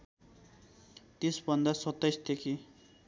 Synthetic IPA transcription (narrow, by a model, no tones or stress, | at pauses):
t̪esbʌnd̪asʌt̪ːʌjst̪ekʰi